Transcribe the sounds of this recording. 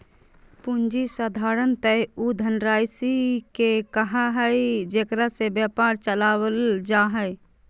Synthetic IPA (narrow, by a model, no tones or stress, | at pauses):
pund͡ʒisad̪ʱaɾənt̪əud̪ʱənɾajsikekəɦaɦəjd͡ʒekɾasebjapaɾt͡ʃəlawəld͡ʒaɦə